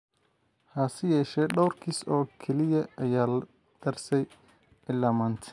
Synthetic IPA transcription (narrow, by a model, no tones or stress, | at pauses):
hasɐjɛːʃɛːɖɔwrkʰiːsɔːkʰɛlɪjɐʔɐjaːlɐ | d̪̥ɐrsɛj | ɪlːaːmaːnt̪ʰɪ̥